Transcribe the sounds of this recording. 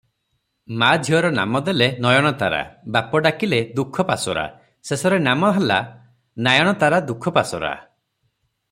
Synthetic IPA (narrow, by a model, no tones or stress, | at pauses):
mad͡ʒʱjɔɾɔna̰mɔd̪elenɔjɔɽ̃ɔt̪a̰ɾa̰bapɔɖakiled̪ukʰɔpasɔɾa̰ | sesɔɾenamɔɦala̰ | najɔɽ̃ɔt̪aɾad̪ukʰɔpasɔ̰ɾa̰